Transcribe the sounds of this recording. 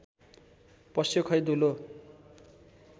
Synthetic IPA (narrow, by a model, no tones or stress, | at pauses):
pʌsjokʰʌjd̪ulo